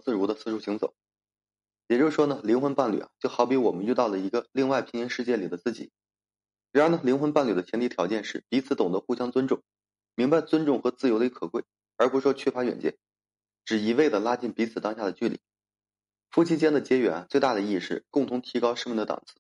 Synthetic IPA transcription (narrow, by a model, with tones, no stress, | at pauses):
t͡sɹ̩˥˩ɻu˧˥d̪ə˧sɹ̩˥˧ʈ͡ʂʰu˥˩ɕi˧˥ŋt͡so̰˨˩˦ | jɛ˨˩t͡ɕjo˥˧ʊʂwɔ˥nə˨li˧˥ŋxwnpa˥˩nly̰˨˩a̰˩t͡ɕjo˥˩ʊxɑ˧˥ʊpi˧˥wɔ˨˩mə˦ny˥˧t̪ɑ˥˩ʊlə˩i˧˥ɡə˧li˥˧ŋwa˥˩ɪpʰi˧˥ŋi˧˥nʂɻ̩˥˧t͡ɕjɛ˥˩li˨˩d̪ə˦t͡sɹ̩˥˩t͡ɕḭ˨˩˦ | ɻa˧˥ə˧˥nə˧˩li˧˥ŋxə˧˥npa˥˩nly˨˩d̪ə˦t͡ɕ̪ʰjɛ˧˥nt̪i˥˩t̪ʰjɑ˧˥ʊt͡ɕjɛ˥˧nʂɻ̩˥˩pi˧˥t͡sʰɹ̩˧˥t̪ʊ˨˩ŋd̪ə˦xu˥˩ɕjɑ˥ŋt͡swə˥nʈ͡ʂʊ˥˩ŋ | mi˧˥ŋba˧ɪt͡swə˥nʈ͡ʂʊ˥˩ŋxɤ˧˥t͡sɹ̩˥˩jo˧˥ʊd̪ə˧˥kʰɤ˨˩kwe˥˩ɪ | ə˞˧˥pu˧ʂʂwɔ˥t͡ɕʰɛ˥˩fa˧˥ɥɛ̰˨˩nt͡ɕjɛ̰˥˩n | ʈ͡ʂɻ̩˨˩i˧˩we˥˩ɪd̪ə˩la˥t͡ɕi˥˩npi˧˥t͡sʰɹ̩˨˩t̪ɑ˥ŋɕja˥˩d̪ə˩t͡ɕy˥˩lḭ˨˩˦ | fu˥˩t͡ɕʰi˥t͡ɕjɛ˥nd̪ə˨t͡ɕjɛ˥ɥɛ̰˧˥na˧˩t͡swe˥˧ɪt̪a˥˩d̪ə˩i˥˧ʂɻ̩˥˩kʊ˥˩ŋt̪ʰʊ˧˥ŋt̪ʰi˧˥kɑ˥ʊʂə˥mə˧˩nd̪ə˧t̪ɑ̰˨˩ŋt͡sʰɹ̩˥˦